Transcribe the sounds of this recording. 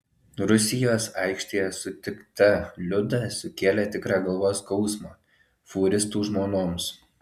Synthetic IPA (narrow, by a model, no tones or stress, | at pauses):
ɾʊsʲɪjoːsɑˑɪkʃʲt̪ʲejɛsʊt̪ʲɪkt̪ɐlʲʊd̪ɐsʊkʲeːlʲɛt̪ʲɪkɾɑːɡɐlˠʋoːskɒʊsmoː | fuːɾʲɪst̪uːʒmoːnoːms